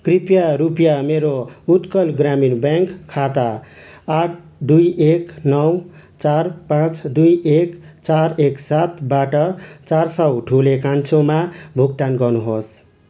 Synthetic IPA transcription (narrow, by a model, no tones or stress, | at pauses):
kripjaɾupjameɾout̪kʌlɡɾaminbaŋkʰːat̪aː | ʈ̚ʰ | d̪ujeknʌw | t͡sarpãt͡sd̪ujekt͡saɾeksat̪baʈʌt͡saɾsʌwʈʰulekant͡sʰomabʱuɡ̚t̪anɡʌnuɦos